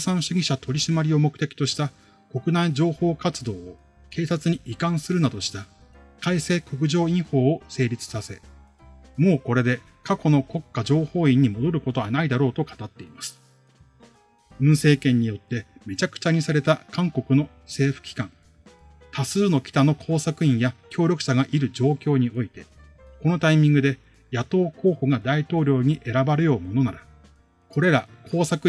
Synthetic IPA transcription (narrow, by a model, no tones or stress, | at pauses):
sãɰ̃ɕɨɡʲiɕat̪ʰo̞ɾʲiɕimaɾʲio̞mo̞kɯ̟t̪e̞kʲi̥t̪o̞ɕi̥t̪a | ko̞kɯ̟naid͡ʑo̞ːho̞ːkat͡sɨd̪o̞ː | ke̞ːsat͡sɨɲ̟iʔikãɰ̃sɨɾɯ̟nad̪o̞ɕi̥t̪a | kaise̞ːko̞k̬ɯ̟ʑo̞ːĩɰ̃ho̞ːose̞ːɾʲit͡sɨ̥sase̞ | mo̞ːko̞ɾe̞d̪e̞ | kako̞no̞ko̞kːad͡ʑo̞ːho̞ːĩɲ̟ːimo̞d̪o̞ɾɯ̟ko̞t̪o̞βanaid̪aɾo̞ːt̪o̞kḁt̪at̪ːe̞imasɨ̥ | ɯ̟̃ɰ̃se̞ːkẽ̞ɲ̟ːijo̞t̪ːe̞me̞t͡ɕakɯ̥t͡ɕaɲ̟isaɾe̞t̪akʰãŋko̞kɯ̟no̞ | se̞ːɸɯ̟̥kʲi̥kãŋ | t̪asɨːno̞kʲi̥t̪ano̞kʰo̞ːsakɯ̟ĩɰ̃jakʲo̞ːɾʲo̞kɯ̥ɕaɡaʔiɾɯ̟d͡ʑo̞ːkʲo̞ːɲ̟io̞it̪e̞ | ko̞no̞t̪aimʲĩŋɡɯd̪e̞ | jat̪o̞ːko̞ːho̞ɡad̪ait̪o̞ːɾʲo̞ːɲ̟iʔe̞ɾabaɾɯjo̞ːmo̞no̞naɾa | kʰo̞ɾe̞ɾakʰo̞ːsakɯ̟